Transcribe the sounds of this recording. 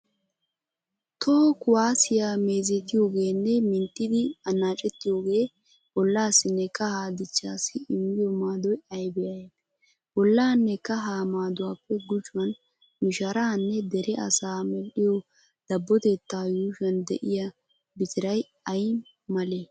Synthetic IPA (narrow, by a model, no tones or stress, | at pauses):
t̪ʰoːkʊwaːsɪjaːme̞ːzɛt̪ɪjo̞ːɡe̞ːnːɛmɪnt̪ːɪd̪ɪɐnːaːt͡ʃʼɛt̪ːɪjo̞ːɡe̞ː | bɔlːaːsɪnːɛkɐhaːd̪ɪt͡ʃːaːsɪɪmːɪjɔmaːd̪ɔjɐjbɛjɐjɛ | bɔlːaːnːɛkɐɦaːmaːd̪ʊwaːpːɛɡʊd͡ʒʊwɐn | mɪʃɐɾaːnːɛd̪ɛɾɛɐ̰saːmɛlɗɪjɔ | d̪̥ɐbːɔt̪et̪ːaːjuːʃɐnd̪ɛ̰ʔɪja | bɪt̪ɪɾɐj | ɐj | mɐleː